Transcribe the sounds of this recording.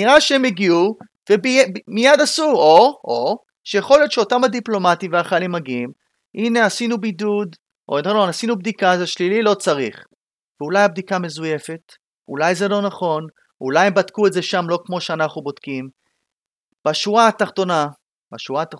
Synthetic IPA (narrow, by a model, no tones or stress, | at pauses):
niʁaʃeemeɡiu | vebimijad̪asuoʔo | ʃejeχo̞ljo̞t̪ʃeotamad̪iplo̞mat̪imveaχalimaɡiim | ʔine̞asinubidud̪ | ʔonlonasinubd̪ikazeaʃlililo̞t͡saʁiχ | veulajab̚d̪ikame̞zuje̞fe̞t | ṵlajzelo̞naχo̞n | ulajembat̪kuetdzeʃamlo̞kmo̞ʃeanaχnubo̞d̥̪kim | b̥aʃuaːt̪aχt̪o̞na | baʃuat